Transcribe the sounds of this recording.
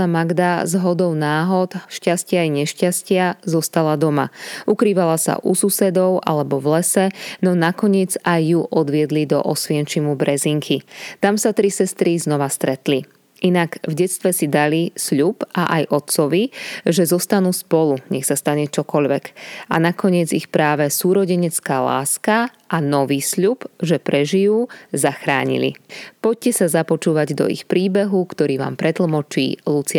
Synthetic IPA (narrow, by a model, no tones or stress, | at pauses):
amaɡd̪azɦɔd̪ɔʊnaːɦɔt̪ʃcascɪajɲɛʃcascɪazɔst̪alad̪ɔma̰ʔukɾiːʋalasa̰ʔususɛd̪ɔʊʔa̰lɛbɔvlɛsɛnɔnakɔɲɪɛd͡zajːuʔɔd̪ʋɪɛd̪lid̪ɔ̰ʔɔsʋɪɛnt͡ʃimubɾɛziŋkʰit̪amsat̪ɾisɛst̪ɾiznɔʋast̪ɾɛt̪li | ʔinaɡvɟɛt̪t͡st̪ʋɛsid̪alisʎupaʔajʔɔt̪t͡sɔʋiʒɛzɔst̪anuːspɔluɲɛxsast̪aɲɛt͡ʃɔkɔʎʋɛka̰nakɔɲɪɛd͡zixpɾaːʋɛsuːɾɔɟɛɲɛt͡skaːla̰ːska | ʔanɔʋiːsʎupʒɛpɾɛʒijuːzaxɾaːɲḭlḭpɔc̚cɛsazapɔt͡ʃuːʋaɟd̪ɔ̰ḭxpɾiːbɛɦukt̪ɔɾiːʋa̰ːmpɾɛt̪l̩ˠmɔt͡ʃḭːlut͡sɪa